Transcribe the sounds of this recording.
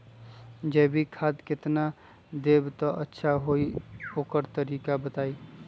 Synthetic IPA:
d͡ʒɛːbʱikʰaːd̪kɪt̪na | d̪eːbt̪ɔʔətːʃʰaɦoioːkəɾt̪əɾiːkabət̪aːi

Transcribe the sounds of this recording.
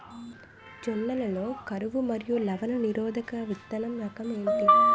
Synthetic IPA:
d͡ʒɔnːɐlɐloːkɐɾuʋumɐɾijulɐʋɐnɐniɾɔːd̪ʱɐkɐʋit̪ːɐnɐmɾɐkɐmɐjɳʈi

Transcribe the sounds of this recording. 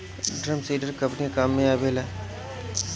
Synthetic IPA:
ɖɾəmsiːɖəɾkɐ̃mpnikaːmːẽaːbeːlɛː

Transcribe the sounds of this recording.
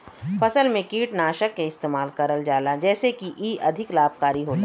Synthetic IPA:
fɐsəlmẽkiːʈnaːʃəkːeɪst̪eːmaːlkɐɾəld͡ʒaːlad͡ʒɛːsekiʔiːʔɐd̪ʱɪklaːb̚ʱkaːɾiɦoːt̪a

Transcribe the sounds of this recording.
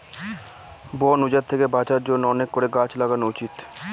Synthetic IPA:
bɔnud͡ʑat̪t̪ʰekebat͡ɕaɾd͡ʑonːoɔnekːoɾeɡat͡ɕlaɡanut͡ɕit̪

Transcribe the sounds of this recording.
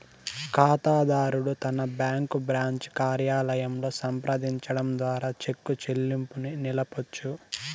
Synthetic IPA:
kaːt̪aːd̪aːɾuɽut̪ɐnɐbjaːŋkubɾaːɲt͡ʃkaːɾjaːlɐjɐmlo̞ːsɐmpɾɐd̪iɲt͡ʃɐɽɐmd̪ʋaːɾaːt͡ʃe̞kːut͡ʃe̞lːimpuninilɐpot͡ʃːu

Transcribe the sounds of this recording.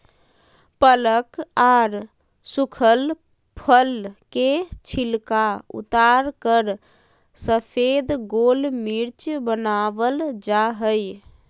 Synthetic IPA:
pələkaɾ | sukʰəl | pʰəlket͡ʃʰilkaṵt̪aɾkəɾ | səpʰed̪ɡolmiɾt͡ʃbənaʋəld͡ʒaɦəj

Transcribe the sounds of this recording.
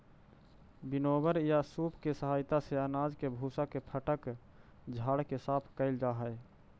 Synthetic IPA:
binobəɾjasupkesəɦajt̪aseənad͡ʒkebʱusakepʰəʈək | d͡ʒʱaɽkesapʰkəɪld͡ʒaɦə

